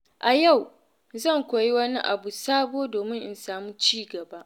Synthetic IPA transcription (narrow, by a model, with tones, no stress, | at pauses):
ʔa˨ja˦˨w | zɐ˦˨ŋkʷoː˨ji˦wɐ˦ni˦ʔa̰˨bu˨saː˦boː˦doː˨mɪ˦ŋʔɪ̰˨nsaː˨muː˦t͡ʃiː˦ɡɐ˨baː˦ʔ